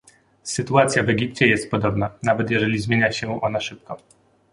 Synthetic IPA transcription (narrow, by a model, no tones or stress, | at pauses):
sɘt̪uat̪sʲjavɛɡʲipt͡ɕɛjɛst̪̚pɔd̪ɔbnanavɛt̪jɛʐɛlʲizmʲjeɲaɕɛʔɔnaʂɘp̚kɔ